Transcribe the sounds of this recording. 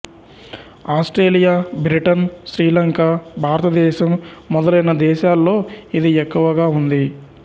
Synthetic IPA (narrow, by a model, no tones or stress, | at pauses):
aːsʈɾeːlijaːbɾiʈɐnʃɾiːlɐŋkaːbʱaːɾɐt̪ɐd̪ɛːʃɐmːɔd̪ɐlɐjnɐd̪ɛːʃaːlːo̞ːid̪iɛkːuʋɐɡaːund̪i